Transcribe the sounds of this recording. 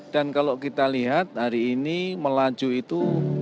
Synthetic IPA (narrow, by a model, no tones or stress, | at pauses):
d̥ankalokit̪aliɦat̪̚haɾiːniməlḁd͡ʒ̥uit̪u